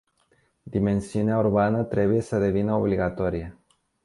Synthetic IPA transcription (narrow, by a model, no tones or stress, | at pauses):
d̪ime̞nsiuneaurbanət̪ɾe̞buje̞səd̪e̞vinəobliɡat̪o̞ɾije